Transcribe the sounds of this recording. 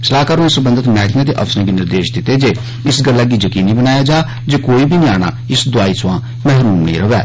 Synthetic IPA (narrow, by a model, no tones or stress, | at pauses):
səlaːkaːɾõãsəbənd̪ət̪mɛːkʰɪjãːt̪̬eːʔə̰psnãːɡiːnɪɾd̪eːʃd̪ɪt̪eːd͡ʒeː | ɪsɡəlːaːɡiːd͡ʒəkiːniːbənaːjaːd͡ʒaː | d͡ʒeːkoːiːbʱiːnĩaːɽ̃a̰ːɪsd̪ʊaːiːsãː | mɛːɦɾuːmnḭ̃ːɾəʋɛː